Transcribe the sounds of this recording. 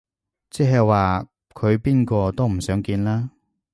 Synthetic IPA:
t͡sɛː˥ɦɛ˨jwaː˨ | kʰɵ˨˧ɥpiː˥nkɔː˧t̪o˥wm̩˨˩sœː˨˥ŋkiː˧nlaː˥

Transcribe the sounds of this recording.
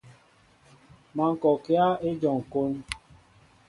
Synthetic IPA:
ma˨ŋ̩˨kɔ˨ke˦a˦e˦d͡ʒɔ˨ŋ̩˨ko˦n

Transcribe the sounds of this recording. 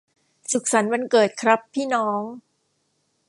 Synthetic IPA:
su˨˩k̚sa˩˦nwa˧nkɤː˨˩t̪̚kʰɾa˦˥pʰːiː˥˩nɔː˦˥ŋ

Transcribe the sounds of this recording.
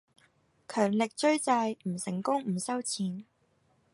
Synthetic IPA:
kʰœː˨˩ŋlɪ˨k̚t͡ʃɵ˥ɥt͡saː˧jm̩˨˩sɪ˨˩ŋkʊ˥ŋm̩˨˩sɐ˥wt͡sʰiː˨n

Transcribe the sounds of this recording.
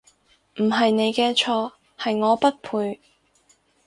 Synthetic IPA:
m̩˨˩ɦɐ˨jne˨˧jkɛː˧t͡ʃʰɔː˧ | hɐ˨jŋɔː˨˧pɐ˥t̚pʰuː˧j

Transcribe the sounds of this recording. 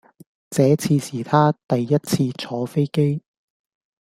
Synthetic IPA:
t͡sɛː˨˥t͡sʰiː˧siː˨˩t̪ʰaː˥t̪ɐ˨jːɐ˥t̚t͡sʰiː˧t͡sʰɔː˨˧fe˥jke˥j

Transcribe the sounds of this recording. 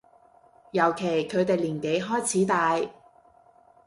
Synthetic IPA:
jɐ˨˩wkʰe˨˩jkʰɵ˨˧ɥt̪e˨jliː˨˩nke˨˧jɦɔː˥jt͡sʰiː˨˥t̪aː˨˧j

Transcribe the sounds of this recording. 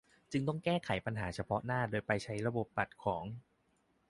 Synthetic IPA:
t͡ɕɯ˧ŋt̪ɔ˥˩ŋkɛː˥˩kʰa˩˦jpa˧nɦaː˩˦t͡ɕʰa˧pʰɔ˦˥naː˥˩doː˧jpa˧jt͡ɕʰa˦˥jɾa˧bo˨˩p̚ːa˨˩t̪̚kʰɔː˩˦ŋ

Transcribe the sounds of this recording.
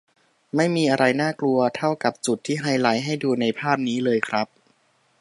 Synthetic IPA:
ma˥˩jmiː˧ʔa˧ɾa˧jnaː˥˩klu˧ɐt̪ʰa˥˩wka˨˩p̚t͡ɕu˨˩t̪ʰːiː˥˩ɦa˧jla˨˩˦jɦa˥˩jduː˧na˧jpʰaː˥˩p̚niː˦˥lɤː˧jkʰɾa˦˥p̚

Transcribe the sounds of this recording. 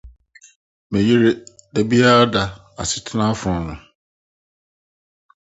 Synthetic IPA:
mẽ˨je˦ɾe˦dɛ˨bi˦a˦ɾa˦da˨ | a̰˨sɪ˨tʰnã˦fʊ˨ɔ̃˨nʊ̃˨

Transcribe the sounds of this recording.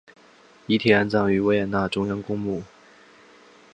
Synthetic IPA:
i˧˥t̪ʰi˨˩a˥˧nt͡sɑ˥˩ŋy˧˥we˥ɪɛ˨˩na˥˩ʈ͡ʂʊ˥ŋjɑ˥ŋkʊ˥ŋmu˥˩

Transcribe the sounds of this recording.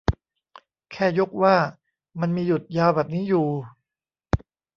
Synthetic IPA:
kʰɛː˥˩jo˦˥k̚waː˥˩ | ma˧nmiː˧ju˨˩t̪̚jaː˧wbɛː˨˩p̚niː˦˥juː˨˩

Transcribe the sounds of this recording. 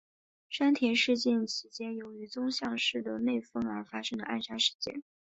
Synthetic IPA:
ʂa˥nt̪ʰjɛ˧˥nʂɻ̩˥˧t͡ɕjɛ˥˩nt͡ɕʰi˧˥t͡ɕjɛ˥njo˧˥ʊy˧˥t͡sʊ˥ŋɕjɑ˥˧ŋʂɻ̩˥˩d̪ə˩ne˥˩ɪfɤ˥ŋə̰˞˧˥fa˥ʂɤ˥ŋd̪ə˧ʔa̰˥˩nʂa˥nʂɻ̩˥˧t͡ɕjɛ̰˥˩n

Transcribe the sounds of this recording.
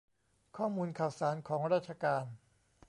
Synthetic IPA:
kʰɔː˥˩muː˧nkʰaː˨˩wsaː˩˦nkʰɔː˩˦ŋɾaː˥˩t̪̚t͡ɕʰa˧kaː˧n

